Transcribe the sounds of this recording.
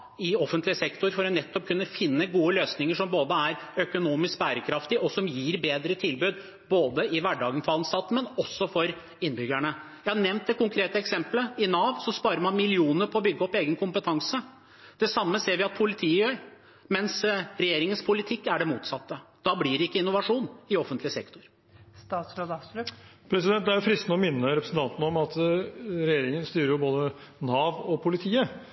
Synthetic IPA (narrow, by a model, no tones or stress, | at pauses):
ɪɔfənt̪lɪəsɛkt̪ʊɾfɔɾɔnɛt̪ːɔp̚kʰʉnːəfɪnːəɡuːəløːsnɪŋəʂɔmboːd̪əæɾœkʊnuːmɪskbæːɾəkʰɾɑft̪ɪɔsɔmjiːɾbeːd̪ɾət̪ʰɪlbʉːd̪ | boːd̪əɪʋæɖɑːɡənfɑlən̩sɑt̪ːmɛnɔsːɔfɔɾ | ɪnːbʏɡæɳəjæɪhɑnɛmnt̪̚d̪ɛkʊŋkʰɾeːt̪əɛksɛmpləɪnɑːʋsɔspɑːɾəɾmɑnmɪlɪuːnəɾpʰɔːbʏɡːəɔpːeːɡənkʰʊmpət̪ʰɑŋsə | d̪̥ɛsɑmːəseːɾʋɪɑt̪̚pʰʊlɪt̪ʰiːəjœːɾ | mɛnsɾɛjeːɾɪŋənspʰʊlɪt̪ʰɪkːæɖɛmuːt̪sɑt̪ːəd̪̥ɑblɪɾɪkːəɪnʊʋɑʂuːnɪɔfːənt̪lɪsɛ̰kt̪ʊɾ | st̪ɑːt̪sɾoːd̪ | pʰɾɛsɪd̪ɛnt̪d̪æɾjʊfɾɪst̪nəɔmɪnːəɾɛpɾəsn̩t̪ɑnt̪ənəɔmɑt̪ɾɛjeːɾɪŋənst̪yːɾəɾjʊboːd̪ə | nɑːʋɔpʰʊlɪt̪ʰiːə